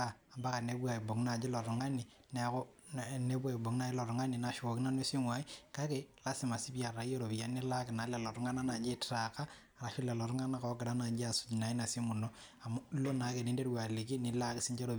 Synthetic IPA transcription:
a˨a˨ba˦ka˨ne˦bwa˨i˨bo˨ŋ˦na˨d͡ʒe˦lɔ˨ɾʊ˨ŋa˦ni˨ | nɛ˨˦kɔ˦ | ne˦bwa˨i˨bo˨ŋ˦na˨˦lɔ˨ɾʊ˨ŋa˦ni˨na˨ʃwo˨kɪ˦na˦ne˦si˦ŋwa˨i˦ka˦ke˨la˦si˨ma˨si˦ba˨ɾa˨jo˦ɾo˨bi˨ja˦ni˦la˦kɪ˨na˨˦lɛ˨lɔ˨ɾʊ˦ŋa˦na˦na˨d͡ʒe˦tɾa˨ka˦ | a˨ɾa˨ʃʊ˦lɛ˨lɔ˨ɾʊ˦ŋa˦na˦kɔ˨˦ɡɪ˨da˦na˨d͡ʒi˦a˨su̥˨d͡ʒi˨na˨i˦na˨si˦mu˨no˦ | a˨m˦lo˦na˨˦ke˨ni˦nde˦ɾwa˨le˨ki˦ni˨la˦kɪ˦si˦ɲd͡ʒe˦ɾo˨

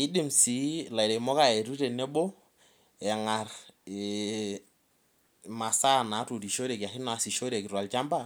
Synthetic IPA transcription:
ɪ˦dɪ˦˨msi˨˦la˨ɪ˨ɾe˨mɔ˦ka˦˨e˨ɾu˦te˨ne˦bo˦ | ɛ˨ŋa˨r | ma˨sa˦˨na˨˦tu˨ti˨ʃo˦ɾe˨ka˨hɪ˦na˨si˨ʃo˦ɾe˨ki˨ɾwa˨lt͡ʃa˦mba˦

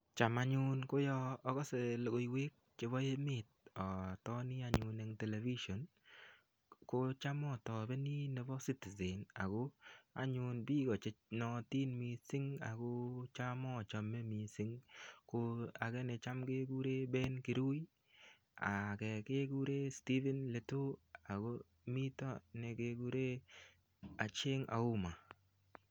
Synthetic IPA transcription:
t͡ʃa˨ma˨ɲʊ˦nko˦jɔː˧˨ɡɔ˦se˨lɡo˨i˨we˦k̚t͡ʃe˨βɔ˦je˦mɪ˦˨t̚ɔ˨tɔ˦nɪ˦a˨ɲʊ˨ne˨ŋte˨le˨vi˦ʃo˨n | ko˦t͡ʃa˦mɔ˦˨tɔ˨bɛ˦ni˦nɛ˨bɔ˦si˦ti˨ze˨na̰˨ɡo˦a̰˨ɲʊ˨nbi˦ɡɔ˨t͡ʃe˦nɔ˨ti˦nmi˧sɪ˦ŋa̰˨kʊ˦t͡ʃa˦mɔ˦˨t͡ʃa˦mːe˦mi˨sɪ˦ŋko˧a˨ɡɛ˦ne˨t͡ʃa˦mke˦ɡu˦ɾe˦bɛ˦nki˨ɾu˦j | a̰˨kɛ˨ke˦ku˦ɾe˦sti˦vɛ˦nle˨tu˦a˨ɡo˦ | mi˦tɔ˦ne˨ke˧ku˦ɾe˦ | a˨t͡ʃe˦ŋa̰˨u˦ma˨

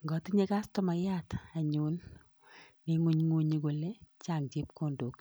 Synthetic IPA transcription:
ŋɡɔ˨tɪ˦ɲe˦ka˦stɔ˦ma˨ja˦ta˨ɲʊ˨nː | ɪ˨˦ŋu˦ɲŋu˦ɲi˨˦ɡo˨le˦t͡ʃa˨ŋd͡ʒɪ˦pko˦˨ndo˨˦k

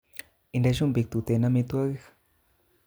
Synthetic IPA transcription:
i˨nde˧ʃu˦mbi˨k̚t̪u˨t̪e˨na˦mi˧t̪u˦a˦ɣe˦x

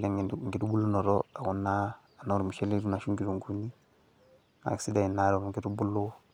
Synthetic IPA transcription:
lɛ˦ŋŋ˨ɡi˨tu˦bu˦lu˦nɔ˨ɾɔa˨ku˦nːaː˦˨ | nɔ˦ɾu˨mu˨ʃɛ˦li˦ɾu˦na˨ʃu˦ŋɡi˦ɾu˨ŋku˦ni˦ | ŋa̰˨ksi˦da˨i˨na˦ɾɔ˨mŋɡi˦tu˦bu˦lːo˦

